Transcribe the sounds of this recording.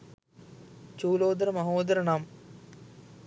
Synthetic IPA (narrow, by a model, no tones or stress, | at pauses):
t͡ɕuːloːd̪ɐɾɐmɐɦoːd̪ɐɾɐɳaːm